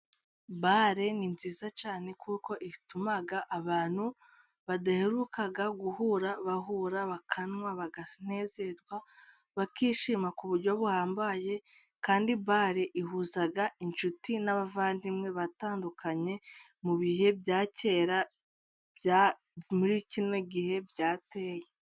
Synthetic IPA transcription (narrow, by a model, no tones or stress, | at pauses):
baɾe̞ninziːzat͡ʃaːne̞kʰuːko̞ʔitumaɡaʔaβaːn̥hu | βadaheɾukʰaɡaɡuhuɾaβaɦuɾaβakʰanŋwaβaɡan̥e̞ːze̞ɾɡwa | βakiːʃimakuβuɾɟo̞βuhaːmbaje̞ | kaːndibaɾeʔiɦuzaɡaint͡ʃutinaβavaːndimŋe̞βataːndukʰaɲe̞ | muβihe̞bjaːce̞ɾa | bja | muɾicinweɡihe̞bjaːte̞ːje